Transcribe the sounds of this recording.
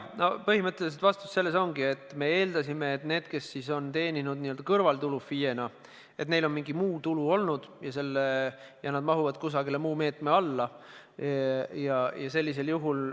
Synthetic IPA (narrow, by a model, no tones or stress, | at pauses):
nopɤɦimɤt̪ˑːe̞lis̬et̪vɑst̪u̥sse̞lːe̞so̞ŋɡie̞t̪ːˑme̞e̞ːld̪ɑsime̞ːt̪ne̞ːd̪̥ke̞sːiso̞nt̪e̞ːnʲinud̪̥̚nioøld̪ɑkɤrvɑlt̪ulufːije̞nɑ | e̞t̪ne̞jlo̞nmiŋɡimuːt̪uluo̞lnud̪̥jɑse̞lːe | jɑnɑd̪̚mɑɦuvɑd̪̥kus̬ɑɡilemuːme̞ːt̪ˑme̞ɑlːɑ | jɑjɑse̞lʲːis̬e̞ljuɦul